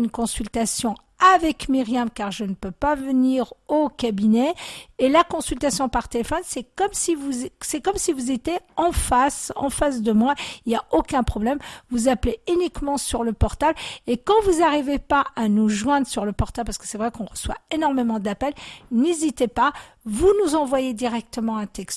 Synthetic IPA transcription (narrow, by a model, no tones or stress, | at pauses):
ynkɔ̃sylt̪asjɔ̃ | avɛkmiʁjamkaʁʒənəpøpavəniʁokabinɛelakɔ̃sylt̪asjɔ̃paʁt̪elefɔnsɛkɔmsivusɛkɔmsivuzet̪jeɑ̃fasɑ̰̃fas̬d̪əmwailjaokʲɛ̃pχɔblɛmvuzapleynikmɑ̃syʁləpɔʁt̪ablekɑ̃vuzaʁivepaanuʒwɛ̃d̪ʁəsyʁləpɔʁt̪abpaʁsə̥kə̥sɛvʁɛkɔ̃ʁəswa̰enɔʁmemɑ̃d̪apɛlnezit̪epavunuzɑ̃vwajed̪iʁɛk̚t̪əmɑ̃ɛ̃t̪ɛkst̪